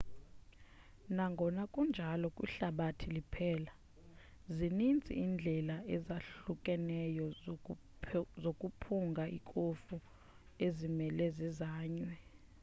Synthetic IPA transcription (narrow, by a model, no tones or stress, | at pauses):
naŋɡʱɔnakʼund͡ʒʱalɔkʼwḭɬaɓatʰilipʰɛːla | zinind͡zʱḭːnd͡ɮʱɛlaɛzaɬukʼɛnɛjɔ | zokʼupʰuŋɡʱaḭkʼofu | ezimɛlɛzizaːɲwɛ